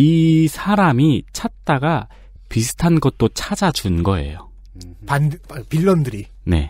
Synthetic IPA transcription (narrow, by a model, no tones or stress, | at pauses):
isʰaɾamit͡ɕʰat̚t͈aɡa | pisʰɯ̥tʰanɡʌt̚t͈ot͡ɕʰad͡ʑad͡ʑunɡʌe̞̰jo | pandpiɭːʌndɯɾi | ne̞̰